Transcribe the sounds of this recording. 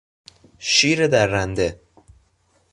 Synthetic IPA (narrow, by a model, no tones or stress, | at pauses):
ʃiːɾed̪æɾːænd̪e